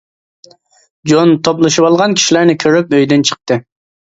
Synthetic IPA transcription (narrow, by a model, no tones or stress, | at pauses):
d͡ʒont̪ʰoplˠɨʃɨpɑlˠʁɑnkʲʰi̥ʃilæɾnɪkʲʰøɾypøjd̪ynt͡ʃʰə̥q̚t̪ɨ